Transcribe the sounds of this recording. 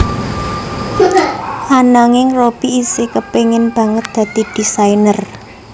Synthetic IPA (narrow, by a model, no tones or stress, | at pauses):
ʔanaŋɪŋrob̥iisekəpeŋɪnb̥a̤ŋət̪̚d̪̥ä̤d̪̥i̤d̪̥isainər